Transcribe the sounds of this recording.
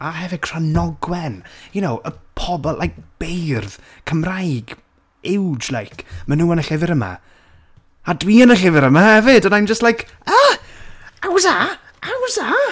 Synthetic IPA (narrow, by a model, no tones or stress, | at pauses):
aɦɛvɪkʰr̥anɔɡwɛnjunowʔəpʰɔbɔlʔajk̚b̥ejrðkʰəmrajɡ | ɪwd͡ʒlˠajkʰmənuːənəɬɪvɪɾəma̰ | adwiːənəɬɪvɪɾəmahɛvɪdənajnd͡ʒəstlˠajkʰ | a | awza | ʔawza